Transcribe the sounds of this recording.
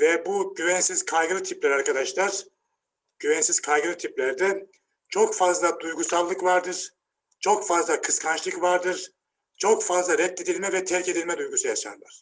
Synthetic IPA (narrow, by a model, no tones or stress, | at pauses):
vɛbuɟyvɛnsizkʰajɡɯɾɯt̪ʰiplʲæɾaɾkʰad̪aʃlˠaɾ̥ | ɟ̥yvɛnsiz̥kʰajɡɯlɯt̪ʰiplʲæɾd̪ɛ | t͡ʃʰo̞kfazlˠad̪ujɡusalˠːɯkvaɾd̪ɯɾ̥ | t͡ʃʰo̞kfazlˠakʰɯskʰant͡ʃlˠɯkvaɾd̪ɯɾ̥ | t͡ʃʰo̞kfazlˠaɾɛt̪ːed̪ilʲmɛvɛt̪ʰɛɾce̞d̪ilʲmɛd̪ujɡusujaʃa̰nlˠaɾ̥